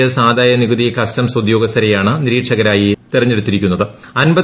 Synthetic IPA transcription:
ɐsaːd̪aːjɐniɡuðikɐstɐmsɐd̪jo̞ːɡɐst̪ʰːɐɾejaːɳɨniɾiːʈʂɐɣɐɾaːjit̪irɐɲːe̞ɽut̪ːiɾikʲːunːɐðɨɐnbɐð

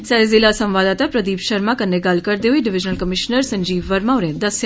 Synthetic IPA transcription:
sɛzɪlasɐ̃mʋaːd̪at̪apɾɐd̪iːbʃəɾmãkənːeɡɐlkɐɾd̪euiɖɪʋɪd͡ʒnəlkəmɪʃnəɾsɐ̃ɲd͡ʒiːʋʋɐɾmaːʊɾẽːd̪ɐsj

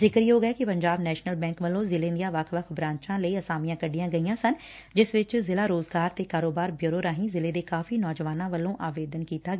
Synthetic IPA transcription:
zɪkəɾiɦoːɡɛːkɪpəɲd͡ʒaːbnɛːʃnəlbɛ̃ːŋkʋəlõːzɪlẽːd̪ijãːʋəkʰʋəkʰbɾãːɲt͡ʃãːləiːəsaːmijãːkəɖijãːɡəiːãːsən | d͡ʒɪsʋɪt͡ʃzɪlaːɾoːzɡaːɾt̪eːkaːɾoːbaːɾbjʊːɾoːɾaːɦĩːzɪleːd̪eːkaːfiːnɔːd͡ʒəʋaːnãːʋəlõːʔaːʋeːd̪ənkiːt̪aːɡ

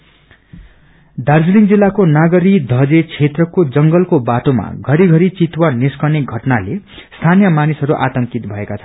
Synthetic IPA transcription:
d̪ard͡zliŋd͡zilːakonaɡʌɾid̪ʱʌd͡zet͡sʰet̪rʌkod͡zʌŋɡʌlkobaʈoma̰ɡʱʌɾiɡʱʌɾit͡sit̪waniskʌneɡʱʌʈnale | st̪ʰanijʌmanisɦʌɾuʔa̰t̪ʌŋkit̪bʱʌekat͡sʰʌ

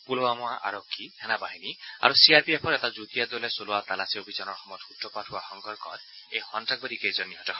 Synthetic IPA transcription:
pulowamɔaʔa̰ɾokʰːitʰɛnabaɦinia̰ɾusiaɾpiepʰɔɾet̪ad͡ʒut̪iad̪ɔlesoloat̪alasiobʱid͡ʒanɔɾxɔmɔjt̪utːɔpaʈʰuaxɔŋɡɔɾkɔ̰ɾ | ejhɔnʈak̚bɔɾikejzɔniɦɔtɔkʰɔ

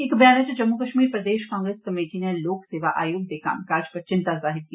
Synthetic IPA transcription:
ɪkbjaːnət͡ʃd͡ʒɐmːukəʃmiːɾpɾɐd̪eːʃkãːŋɡɾeskɐmeːʈineloːkseːʋaʔa̰ːjoːɡ̚d̪eːkʰa̰ːmkaːɾd͡ʒpɐɾt͡ʃɪ̃nt̪azaːɦɪt̪̚ki

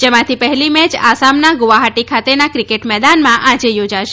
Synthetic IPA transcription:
d͡ʒemãt̪ʰipəɦɛlimɛt͡ʃasamnaɡʊʋaɦaʈikʰat̪enakɾikeʈmɛd̪anmãʔad͡ʒejod͡ʒaʃe

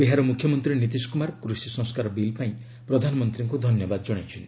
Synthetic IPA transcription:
biɦaɾɔmukʰjɔmɔnt̪ɾinit̪̬isu̥kumaɾkɾusisɔ̃ŋskaɾɔbilpaĩ | pɾɔd̪ʱanɔmɔnt̪ɾiŋkud̪ʱɔnjɔbad̪ɔd͡ʒɔɽ̃et͡ʃʰin

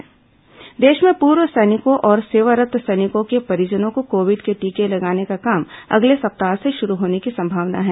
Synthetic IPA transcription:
d̪eːʃmẽpuːɾwəsɛːnɪkõʔɔːɾseːʋəɾət̪sɛːnɪkõkepɐɾɪd͡ʒənõkokoːʋɪɖkeʈiːkelɐɡaːnekakaːmɐ̰ɡlesɐp̚t̪aːseʃʊɾuɦoːnekisɐ̃mbʱaːʋna̰ɦɛː

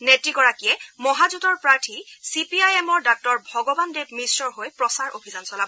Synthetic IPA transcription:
netɹiɡɔɹakijɛmɔɦazutɔɹpɹaɹtʰisipiajɛmɔɹdak̚tɔɹbʱɔɡɔbandebmisɹɔɹɦojpɹɔsaɹʔo̰bʱizansɔlabɔ

